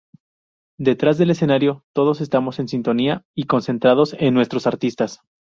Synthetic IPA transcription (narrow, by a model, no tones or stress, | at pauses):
d̪e̞t̪ɾazðe̞le̞se̞naɾjo̞t̪o̞ð̞o̞se̞st̪amo̞se̞nsint̪o̞niaiko̞nse̞nt̪ɾaðo̞se̞nːwe̞st̪ɾo̞saɾt̪ist̪as